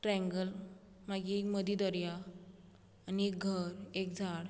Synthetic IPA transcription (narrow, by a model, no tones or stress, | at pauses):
ʈɾɛ̃ŋɡəl | maɡiekməd̪id̪ɔɾjaː | niek̚ɡʱəɾek̚d͡zʱaɽ